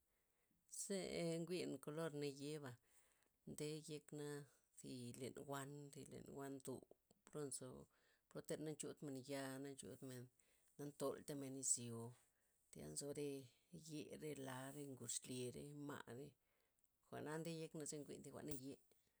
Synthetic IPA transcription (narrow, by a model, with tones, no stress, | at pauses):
z̥e˦ŋɡʷi˦nko˧lo˦ɾna˧je˦ba˨ | nd̪e˦je˧kna˦ | zi˧lḛ˨nɡʷa˦nɾi˧lḛ˨nwʷa˦nd̪ṵ˨bɾo˦nso̰˧ | pɾo˦t̪e˧ɾna˦nt͡ʃu˦t̪me˨nja˧na˦nt͡ʃṵ˧t̪me˨nː | a˦nt̪o˧lt̪a˦me˨ni˧zjo˨ | t̪a̰˧nzo˧ɾe˧je˧ɾe˦˧la˨˧ɾe˦˧ŋɡu˨ʂle˨ɾḛ˦ma̰˧˨ʔɾe˦ | xʷa̰˨ʔna˦nd̪e˦je˦kna˧ze˧ŋɡʷḭ˧nd̪i˧xʷa̰˨na˦je˦